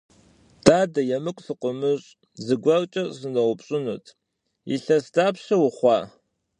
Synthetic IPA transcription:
d̥aːdɐjɛmɨkʷʼsɨqʷʼʊmɨɕʼ | zɨɡʷɐrt͡ʃʼɐzɨnɐwʷʊpɕʼɪnṵtʰ | jḭɬɐsdaːpɕɐwʊχʷɑː

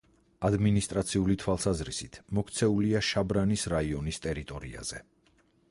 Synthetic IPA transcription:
ad̪minist̪ʼɾat̪sʰiulit̪ʰwalˠsazɾisit̪ʰmɔkʰt̪sʰɛuliaʃabɾanisɾaiɔnist̪ʼɛɾit̪ʼɔɾḭa̰z̥ɛ

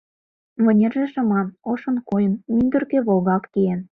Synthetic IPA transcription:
βɤ̆nʲerʒĕʃɤ̆mɑnoʃɤ̆nkojə̆nynd̪ə̆rkĕβolɣɑkːijen

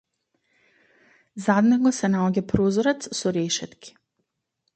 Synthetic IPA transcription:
zad̪nɛɡɔsɛnaɔɟapɾozɔɾɛt̪ssɔɾɛʃɛt̪kʲi̥

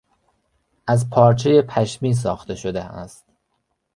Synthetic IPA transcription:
ʔæzpʰɒːɾt͡ʃʰejepʰæʃmiːs̬ɒːxt̪e̞ʃod̪eæ̰st̪

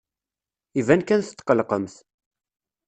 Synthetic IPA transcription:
ivænkænθət̪ːqəlqəmθ

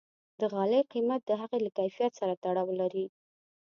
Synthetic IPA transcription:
d̪əɣɑleqimat̪̚d̪əɦaɣelakajfijat̪saɾat̪aɽɑwlaɾi

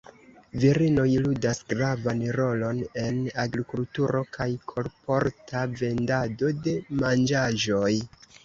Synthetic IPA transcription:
viɾino̞jludasɡɾavanɾo̞lo̞ne̞naɡɾikultuɾo̞kʰajkʰo̞ɾpo̞ɾtʰave̞ndado̞de̞mand͡ʒaʒo̞j

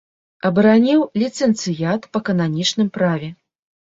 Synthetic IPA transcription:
ɐbɐɾanʲiwlʲit̪sɛnt̪sɨjat̪pɐkɐnanʲit͡ʂnɨmpɾavʲɛ

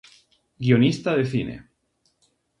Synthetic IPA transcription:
ɡionist̪aðeθinḛ

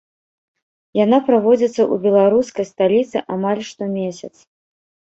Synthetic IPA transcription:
janapɾavɔd͡zʲit̪sːɐʔṵbʲɛlˠaɾuskɐjst̪alʲit̪sɨʔamalʲʂt̪ɔmʲesʲɐt̪s

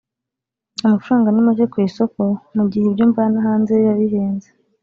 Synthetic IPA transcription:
umafuɾaːŋɡanimuʃekwiːso̞ko̞muɟihebjuːɱvanahaːnzejaβiɦeːnze

